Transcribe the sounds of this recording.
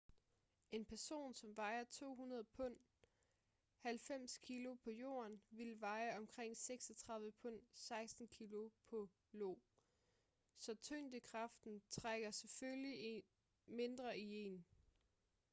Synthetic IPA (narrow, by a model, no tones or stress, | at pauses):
e̝npʰæɐso̝̰ːnsɒ̽mʋɑ̈ɪɐt͡sʰo̝̰ːɦunɐð̞̩ˠpʰɔ̽n̰ | hælfem̰skʰilo̝pʰɒ̽jo̝̰ːɐnʋilʋɑ̈ɪəɒ̽mkʰʁeŋ̰seɡ̥sɒt͡sʰʁɑ̈ð̞ˠʋəpʰɔ̽n̰sɑ̈ɪsd̥n̩kʰilo̝pʰɒ̽ | lo̰ː | sɒ̽t͡sʰønd̥əkʰʁɑ̈fd̥n̩t͡sʰʁaɡ̥ɐseføli | me̝nd̥ʁɐie̝n